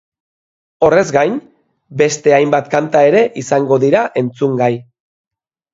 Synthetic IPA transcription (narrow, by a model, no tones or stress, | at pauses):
o̞re̞zɡajn | be̞st̪e̞ajmbat̪kant̪ae̞ɾe̞ʔisaŋɡo̞ðiɾaʔe̞nt͡suŋɡaj